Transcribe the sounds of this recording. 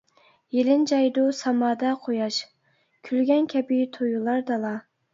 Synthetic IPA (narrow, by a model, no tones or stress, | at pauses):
jelɪnd͡ʒɑjd̪ʊsɑmɑːd̪ɑqʰojɑʃ | kʲʰylɡʲɛnkʲʰɛbɪt̪ʰojulˠɑɾd̪ɑlˠɑ